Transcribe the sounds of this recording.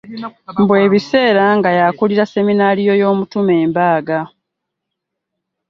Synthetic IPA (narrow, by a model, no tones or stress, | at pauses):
mbwe̞ːβise̞ːɾaŋɡajakuliɾase̞minaːlijo̞jo̞ːmutume̞ːmbaːɡa